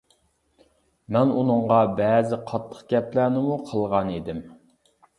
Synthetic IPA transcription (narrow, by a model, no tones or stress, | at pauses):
mɛnunɨɴʁɑbɛːzɪqʰɑt̪ʰːə̥χqɡʲɛplæɾnɪmuqʰəlˠʁɑnid̪ɪm